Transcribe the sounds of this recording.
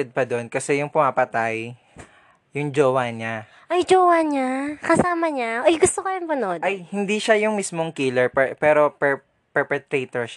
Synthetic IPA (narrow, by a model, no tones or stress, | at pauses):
ɛd̪̚pɐd̪onkɐsɛjʊŋpʊmapɐt̪aj | jʊŋd͡ʒoːwanɲa | ʔɐjd͡ʒowanɲakɐsaːmɐɲaʔojɡʊst̪okɐjʊŋpɐnod̪ʔajhɪnd̪iʃajʊŋmismoŋkilɛɹpɛpɛːɾo̞pɛ | pɛɹpɛt̪ɾet̪oɹʃ